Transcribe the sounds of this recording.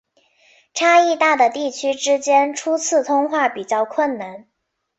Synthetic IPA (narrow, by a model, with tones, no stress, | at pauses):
ʈ͡ʂʰa˥i˥˧t̪a˥˩d̪ə˩t̪i˥˩t͡ɕʰy˥ʈ͡ʂɻ̩˥t͡ɕjɛ˥nʈ͡ʂʰu˥t͡sʰɹ̩˥˩t̪ʰʊ˥ŋxwa˥˩pi˨˩t͡ɕjɑ˥˧ʊkʰwə˥˩nna˧˥n